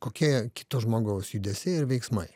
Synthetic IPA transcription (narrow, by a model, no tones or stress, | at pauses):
koːkʲiɛkʲɪ̥t̪oʒmoːɡɐʊsjud̪ʲɛsʲɪɪɾʋʲɛɪksmɐɪ